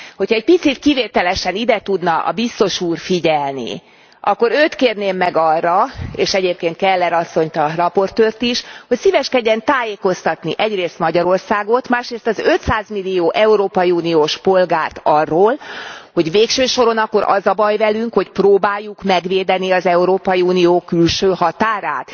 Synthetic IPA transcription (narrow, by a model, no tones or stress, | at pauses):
ho̞cʰhɒɛc̚pit̪sit̪kiveːt̪ɛlɛʃɛnid̪ɛt̪ud̪nɒʔɒ̰bist̪o̞ʃuːrfiɟɛlnḭ | ɒkːo̞ɾøːt̪keːrneːmːɛɡɒrːɒeːʃɛɟeːp̚keːnt̪kɛlːɛɾɒsːo̞ɲt̪ɒrɒpo̞rt̪øːrt̪iʃho̞csivɛʃkɛɟːɛnt̪aːjeːko̞st̪ɒt̪niʔɛɟreːst̪mɒɟɒɾo̞rsaːɡo̞t̪maːʃreːst̪ɒzø̞t̪saːzmilːijoːʔɛuɾoːpɒjiuːnioːʃpo̞lɡaːrt̪ɒrːoːlho̞ɟveːkʃøːʃo̞ɾo̞nɒkːo̞ɾɒ̰zɒbɒjvɛlyŋkho̞cproːbaːjːukmɛɡʋeːd̪ɛniɒzɛuɾoːpɒjiuːnijoːkylʃøːhɒt̪aːɾaːt̪